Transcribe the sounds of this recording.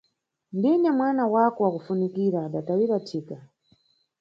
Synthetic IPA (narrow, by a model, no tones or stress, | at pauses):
ndiɲamwanawakɔwakufunikiɾaːɗatawiɾatʰiːka